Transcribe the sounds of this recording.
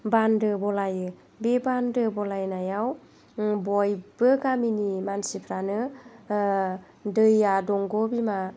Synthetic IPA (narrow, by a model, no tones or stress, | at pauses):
bandɯbɔlajɯ | bebandɯbɔlajnajaw | bɔjbɯɡaminimansipʰɾanɯ | dɯjadɔŋɡɔbima